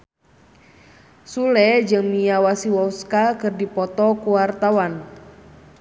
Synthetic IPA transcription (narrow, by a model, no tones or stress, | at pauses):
sulɛd͡ʒɨŋmijawasiwɔskakɨrdipɔt̪ɔkuwart̪awan